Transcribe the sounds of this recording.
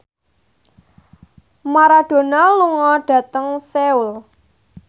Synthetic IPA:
maɾaɖ̥o̤naluŋɔɖ̥ä̤t̪əŋseul

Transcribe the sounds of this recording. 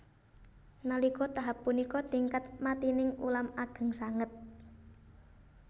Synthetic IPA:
nalikɔt̪aɦapːunikɔt̪iŋkat̪̚mat̪inɪŋṵlamaɡ̥ə̤ŋsaŋət̪̚

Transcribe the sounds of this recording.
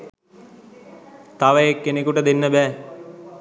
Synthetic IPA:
t̪aʋəjekːenekuʈəd̪enːəbɛː

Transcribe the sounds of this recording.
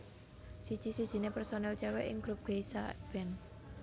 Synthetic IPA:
sid̥ʒ̥i̤sid̥ʒ̥i̤nepɛrsonɛlt͡ʃɛwɛʔɪ̰ŋɡ̥ɾup̚ɡ̥eisab̥ɛn

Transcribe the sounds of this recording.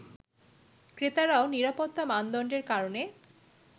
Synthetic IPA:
kɾet̪aɾaoniɾapot̪ːamand̪ɔɳɖeɾkaɾone

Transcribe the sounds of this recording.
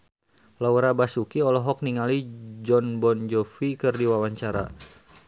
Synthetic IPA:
lawɾabasukiɔlɔɦɔk̚niŋalid͡ʒɔnbɔnd͡ʒɔfikɨrdiwawaɲt͡ʃaɾa̰

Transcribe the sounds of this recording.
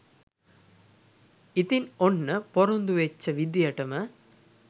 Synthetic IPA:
it̪inonːəpoɾond̪uʋet͡ʃːəʋid̪jɐʈəmə

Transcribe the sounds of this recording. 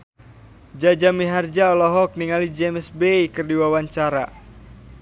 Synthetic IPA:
d͡ʒad͡ʒamiɦard͡ʒaɔlɔɦɔk̚niŋalid͡ʒɛmɛsbeikɨrdiwawaɲt͡ʃaɾa

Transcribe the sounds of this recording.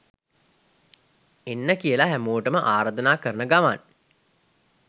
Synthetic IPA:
enːəkijəlaɦæmoːʈəməʔaːɾad̪ənaːkəɾənəɡama̰n

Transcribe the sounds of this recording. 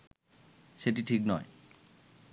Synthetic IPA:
ʃeʈiʈʰiknɔe

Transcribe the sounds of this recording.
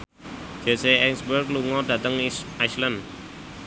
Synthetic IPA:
d͡ʒ̥eseɛŋsbərkluŋɔdä̤t̪əŋajslən

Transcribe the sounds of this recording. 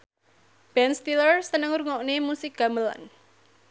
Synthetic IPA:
b̥ɛnst̪ilərsənəŋɾuŋɔʔnemusɪk̚ɡ̥a̤məla̰n

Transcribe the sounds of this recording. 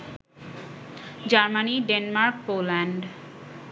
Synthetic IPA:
d͡ʑaɾmaniɖenmaɾk̚polɛɳɖ

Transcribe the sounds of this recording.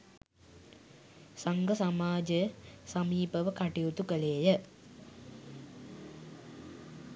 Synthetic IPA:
saŋɡəsamaːd͡ʒəsɐmiːpəʋəkaʈijut̪ukəleːjə

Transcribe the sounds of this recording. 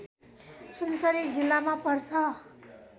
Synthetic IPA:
sunsʌɾid͡zilːamapʌɾsʰʌ

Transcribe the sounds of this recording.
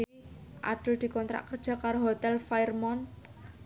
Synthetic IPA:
ʔa̰ɖ̥ʊld̪̥i̤kɔnt̪ɾa̰ʔkərd̥d͡ʒ̥ʒ̥ä̤kaɾoɦot̪ɛlfairmɔn

